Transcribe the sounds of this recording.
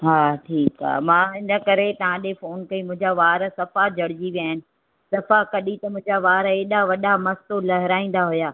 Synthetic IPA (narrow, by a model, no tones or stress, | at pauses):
ɦaːʈʰiːka̰ɦmãːɪnə̆kɐɾet̪ɐʋ̤ãɗefoːnkɐimʊ̃ɦɪ̃ɲd͡ʑaʋaːɾsɐfad͡ʑʱɐɽɪd͡ʑiʋijaːɦɪnɪ̆ | sɐfakɐɗit̪ɐmʊ̃ɦɪ̃ɲd͡ʑaʋaːɾeːɗaʋɐɗamɐst̪olɐɦɪɾaːĩːn̆d̪aɦʊjaː